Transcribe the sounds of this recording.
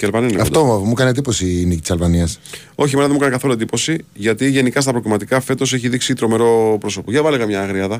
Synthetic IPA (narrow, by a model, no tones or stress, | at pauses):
ceɐlvɐnineɐftomukɐniend̪ipo̞siːnicit̪i̥sɐlvɐniɐs | o̞çimenɐðemukɐnekɐθo̞luend̪ipo̞siʝɐt̪iʝe̞nikɐs̬t̪ɐpɾok̪imɐt̪ikɐfe̞t̪o̞seçiðiksit̪ɾo̞me̞ɾo̞pɾo̞so̞poʝɐvɐleɣɐmɲɐːɣɾiɐðɐ